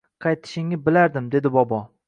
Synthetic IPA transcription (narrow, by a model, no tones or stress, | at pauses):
qʰɑjt̪ʰɪ̥ʃɪŋnɪbɪlaɾd̪ɪmd̪e̞d̪ɪbɒbɒ